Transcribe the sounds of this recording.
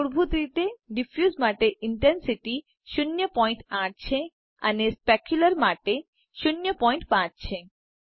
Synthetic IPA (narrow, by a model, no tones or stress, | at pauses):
oɾbʱut̪ɾit̪eɖifjuzmaʈeiɳʈensiʈi | ʃunjopɔjɳʈaʈt͡ɕʰe | a̰nespɛkʰjulaɾmaʈe | ʃunːjopɔjɳʈpaɾt͡ɕʰe